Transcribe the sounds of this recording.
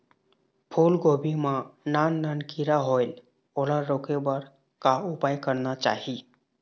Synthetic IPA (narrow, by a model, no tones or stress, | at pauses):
pʰulɡobimãnanːəɳkiɾaɦojl | olaɾːokebəɾ | kaupajkəɾnat͡ʃa̰hi